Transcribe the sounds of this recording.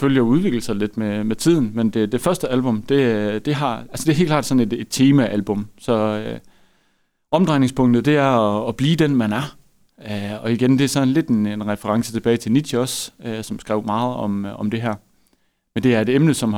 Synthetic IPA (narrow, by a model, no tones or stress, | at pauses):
føljəjouðˠʋe̝ɡ̥l̩sɑle̝d̥memet͡sʰið̰ˠn̩mend̥e̝d̥e̝fɶɐsd̥əælb̥ɔ̽md̥e̝d̥e̝ɦɑ̈ælsəd̥e̝ɐhe̝ːlklɑ̰ːd̥sɒ̽ne̝d̥e̝d̥t͡sʰeːmæʔælb̥ɔ̽msɒ̽ | ɒ̽md̥ʁɑ̈ɪneŋspʰɔ̽ŋ̰d̥ð̩ˠd̥e̝æɐɒːb̥liːd̥enmænæɐ | øɒ̽iɡ̥end̥eæɐsɒ̽nnle̝d̥e̝ne̝nʁɛfəʁɑ̈ŋsə̥t͡sʰe̝b̥ɛːɪt͡sʰe̝lni̥jɒsøsɒ̽msɡ̥ʁɛ̰ʊ̰mɑ̈ːð̞̩ˠɒ̽mɒ̽md̥e̝ɦæɐ̰ | mend̥e̝æɐe̝ɾemnəsɒ̽m